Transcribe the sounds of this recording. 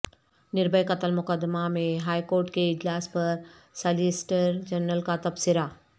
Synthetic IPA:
nɪɾbʱəjkɐt̪əlmʊkəd̪mamẽɦaːjkoːɾʈkeɪd͡ʒlaːspɐɾ | sɐlisʈəɾd͡ʒɐnːəlkat̪ɐpsɪɾa

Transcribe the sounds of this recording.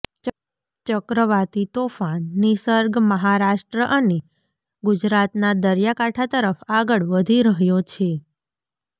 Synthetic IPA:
t͡ʃəkɾəʋat̪it̪ofanːisəɾɡməɦaɾaʃʈɾəʔəne | ɡʊd͡ʒɾat̪nad̪əɾjakaʈʰat̪əɾəfaɡəɭʋəd̪ʱiɾəɦjot͡ʃʰe

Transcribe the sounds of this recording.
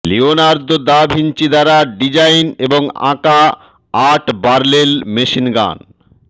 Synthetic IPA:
lionaɾd̪od̪abʱint͡ɕid̪aɾaɖid͡ʑajneboŋã̰kaː | ʈbaɾlelmeʃinɡa̰n

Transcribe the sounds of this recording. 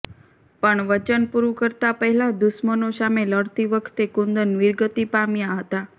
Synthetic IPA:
pəɳʋət͡ʃənpuɾukəɾt̪apəɦɛlad̪ʊsmənosameləɽt̪iʋəkʰt̪ekũnd̪ənʋiɾɡət̪ipamjaɦət̪a

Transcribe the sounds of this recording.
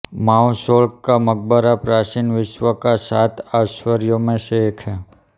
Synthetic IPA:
maːwsoːlkːaməɡ̚bəɾapɾaːt͡ʃinʋɪʃʋəkasaːt̪ʰaːʃʋəɾjõmẽseeːkʰɦɛː

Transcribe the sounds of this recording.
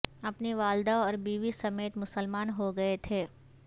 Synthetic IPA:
ɐpniʋaːld̪aɔːɾbiːʋisɐmeːt̪mʊsəlmaːnɦoɡɐet̪ʰeː

